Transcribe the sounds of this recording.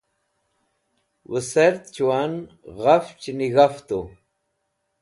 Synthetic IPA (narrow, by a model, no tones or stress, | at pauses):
wəseɾt̪t͡ɕuwan | ɣaft͡ɕiniɣaft̪u